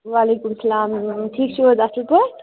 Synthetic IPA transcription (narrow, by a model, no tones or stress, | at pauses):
walekumsɐlaːmʈʰiːk̚t͡ʃʰud͡zasilpʌ